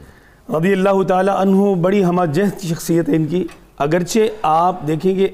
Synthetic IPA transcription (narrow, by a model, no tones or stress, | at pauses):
ɾɐd̪ijɐlːaːɦʊt̪aːlaʔɐnɦubɐɽiɦɐmaːd͡ʒɛɦd̪̚kiʃ̬ɐxsijət̪ɦɛɪnki | ɐɡəɾt͡ʃʰeaːp̚d̪eːkʰẽːɡe